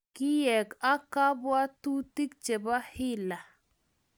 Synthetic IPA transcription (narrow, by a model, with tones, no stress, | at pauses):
ki˦jɛ˨ka˦ka˦bwa˦tu˦ti˦kt͡ʃe˨ba˦hi˦la˨